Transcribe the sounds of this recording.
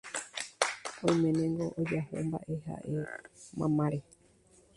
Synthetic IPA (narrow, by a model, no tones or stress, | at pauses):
õjmẽnẽŋɡoʔod͡ʒaho̰mba̰ʔe̞ɦa̰ʔe̞mã̰mãɾe